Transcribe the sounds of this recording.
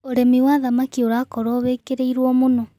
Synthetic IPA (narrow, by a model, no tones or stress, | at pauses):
oɾemiwaːðamakioɾakɔɾɔβeːkeɾeiɾwɔmonɔ